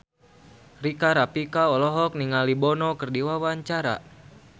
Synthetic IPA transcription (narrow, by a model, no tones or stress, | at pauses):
rikaɾapikaɔlɔɦɔk̚niŋalibɔnɔkɨrdiwawaɲt͡ʃaɾa̰